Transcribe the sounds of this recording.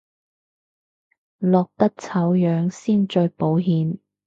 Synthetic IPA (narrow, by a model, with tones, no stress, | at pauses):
lɔː˨k̚t̪ɐ˥k̚t͡sʰɐ˨˥wjœː˨˧ŋsiː˥nt͡ʃɵ˧po˨˥wɦiː˨n